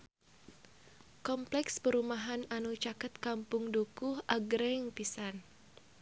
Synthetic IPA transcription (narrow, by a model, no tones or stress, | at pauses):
kɔmplɛkspəɾumaɦananut͡ʃakət̪̚kampʊŋdukuhʔaɡɾɛŋpisan